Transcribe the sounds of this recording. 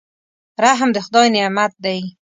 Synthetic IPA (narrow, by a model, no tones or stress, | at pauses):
ɾaɦmd̪əxʊd̪ɑjnɪamat̪̚d̪aj